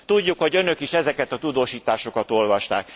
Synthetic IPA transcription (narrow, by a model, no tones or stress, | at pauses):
t̪uɟːukho̞ɟø̞nø̞kiʃɛzɛkɛt̪ɒt̪ud̪oːʃiːt̪aːʃo̞kɒt̪o̞lvɒʃt̪a̰ːk